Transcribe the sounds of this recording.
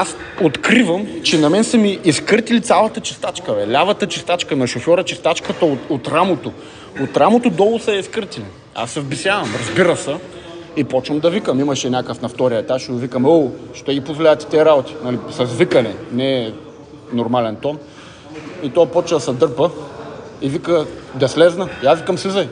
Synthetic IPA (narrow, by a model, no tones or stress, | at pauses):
as | ot̪kɾivəmt͡ʃɛnɐmɛnsəmiʔːskəɾt̪ilit̪sʲalˠɐt̪ət͡ʃɛ̥st̪at͡ʃkəvɛlʲavɐt̪ɐt͡ʃɛst̪at͡ʃkənɐʃofʲjɔɾət͡ʃɛst̪at͡ʃkət̪ɐot̪ot̪ɾamot̪o | ot̪ɾamot̪od̪ɔlˠʊsɐɛiskəɾt̪ili | a̰sːɛvbisʲjavɐmɾɐzbiɾəsə | ipɔt͡ʃvɐmd̪ɐvikəmimɐʃɛnʲakəfnɐft̪ɔɾiəɛt̪aʃvikəmoʃt̪ɛɡipozvlʲaɐt̪i̥t̪ɛːɾabot̪i̥nɐlisɐzvikɐnɛnɛː | noɾmalɛnt̪ɔn | it̪ɔpɔt͡ʃəsɐd̪ɤɾpə | ivikəd̪ɐslɛznɐjavikəmsizɐj